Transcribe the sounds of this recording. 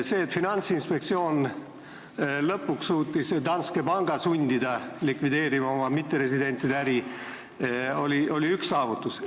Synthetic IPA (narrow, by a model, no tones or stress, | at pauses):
se̞ːt̪ːˑfinɑnʲt̪sinspek̚t̪sio̞ːn | lɤpːukssuːt̪ˑːisd̪ɑnskepɑŋɡ̥ɑsunʲd̪id̪ɑlikvid̪e̞ːɾimɑo̞mɑmit̪ːˑeɾe̞sid̪e̞nʲt̪ːid̪eæɾi | o̞lʲiʔo̞lʲiyksːɑːvut̪ːˑus